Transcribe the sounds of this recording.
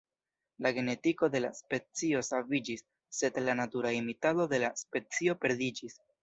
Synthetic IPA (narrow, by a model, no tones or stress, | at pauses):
laɡe̞ne̞tiko̞de̞la̰spe̞t͡sio̞savid͡ʒisː | e̞dlanatuɾaimitado̞de̞laspe̞t͡sio̞pe̞ɾdid͡ʒis